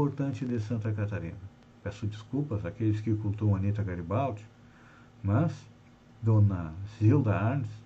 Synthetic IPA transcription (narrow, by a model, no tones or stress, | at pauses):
oɾt̪ɐ̃nt͡ʃɪd̪esɐ̃nt̪ɐkat̪aɾḭ̃nɐ | pɛsʊd͡ʒiskupɐzakelɪskɪkult̪õɐnit̪ɐɡaɾibawt͡ʃɪ̥k | mɐz | d̪õnɐziwd̪ɐaɾnɪs